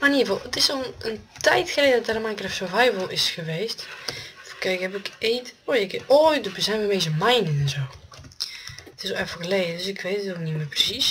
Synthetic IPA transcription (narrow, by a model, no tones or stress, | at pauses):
maniəvɔlˠətɪsoləntɛjtxəleːdədɔt̚darmajkrɛfsovajvəlˠɪsxəʋeːstfkɛkhɛpɪkeːtojɪkoːjbəzɛjnʋəmezəmajnənɛnzoː | tɪsɛfəɣəleːdədʏsɪkʰʋeːtətok̚nimɪːprəsis